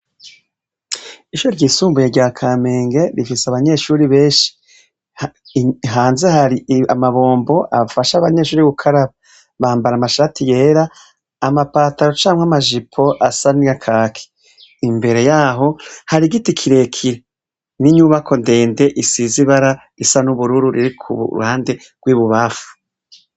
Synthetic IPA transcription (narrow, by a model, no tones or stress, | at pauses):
iʃuɾoɾɟiːsuːmbujeɾɟaːkʰame̞ːŋɡe̞ɾifiseaβaɲe̞ʃuːɾiβe̞ːnʃi̥ | ɦaːnzehaɾiamaβo̞ːmbo̞ʔa̰faʃaβaɲe̞ʃuːɾiɡukʰaɾa | βaːmbaɾamaʃaːtʰije̞ːɾaː | mapaːtaɾo̞t͡ʃaːmwamaʒipʰo̞ʔasaniɡakʰakʰi̥ː | mbe̞ɾe̞jaːɦo̞haɾiɡitikʰiɾe̞kʰiɾe | niɲuːβakʰo̞nde̞ːnde̞ʔisiziβaɾa | isanuβuɾuɾuɾiɾikʰuβṵɾṵhaːnde̞ | ɡ̥wiːβuβafu̥